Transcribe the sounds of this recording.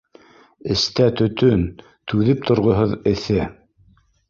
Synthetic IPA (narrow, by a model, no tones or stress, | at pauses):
ɘ̆st̪æt̪ɵ̆t̪ɵn | t̪ʉðɘp̚t̪ŏɾʁŏɦoðɘ̆θɘ